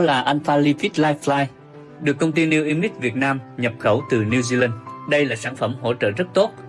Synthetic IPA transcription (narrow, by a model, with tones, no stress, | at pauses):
laː˨˩ʔa˧jn̟faː˧li˧fi˦˥t̚laː˧jflaː˧j | ɗɨ˨˩əkːə˧wŋ͡mt̪i˧ni˧wʔi˧mi˦˥t̚vi˨˩ət̚naː˧mɲə˨˩p̚xə˧˩wt̪ɨ˨˩ni˧wzi˧la˧nɗə˧jlaː˨˩saː˧˩nfə˧˩mɦo̰˧˥t͡ɕə̰ː˧˨zə˦˥t̚t̪o˦˥t̚